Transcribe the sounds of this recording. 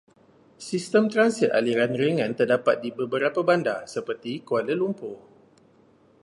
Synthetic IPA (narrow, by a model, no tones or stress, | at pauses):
sist̪əmt̪ɾansit̪̚a̰liɾanrəŋãnt̪ərdapat̪̚dibəbəɾapabandasəpərt̪ikualəlumpʊ